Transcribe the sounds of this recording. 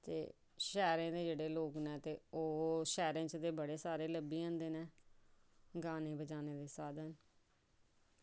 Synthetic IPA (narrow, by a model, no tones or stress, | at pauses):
t̪ḛː | ʃɛːɾãːd̪eːd͡ʒeːɽeːloːknɛ̃ːt̪eːoːʃɛːɾãːt͡ʃd̪eːbəɽeːsaːɾeːləbːiːãːnd̪eːnẽː | ɡaːnẽːbəd͡ʒaːneːd̪eːsaːd̪ən